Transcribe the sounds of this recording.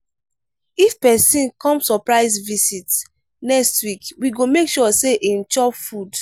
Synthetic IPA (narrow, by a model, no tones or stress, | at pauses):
ifpɛsĩnkɔ̃msɔpɹaɪzvisit | nɛkstwikwiɡomekʃɔseʔĩn̩t͡ʃɔpfud